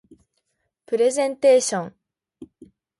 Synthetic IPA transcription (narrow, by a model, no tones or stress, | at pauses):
pɯɾesentʰeɕʌŋ